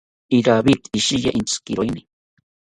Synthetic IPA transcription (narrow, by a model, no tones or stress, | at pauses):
iɾaβit̪iʃija̰ʔint͡skiɾojni